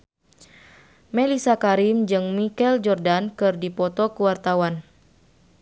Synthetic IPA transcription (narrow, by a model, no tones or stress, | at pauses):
mɛlisakaɾimd͡ʒɨŋmikɛld͡ʒɔrdankɨrdipɔt̪ɔkuwart̪awan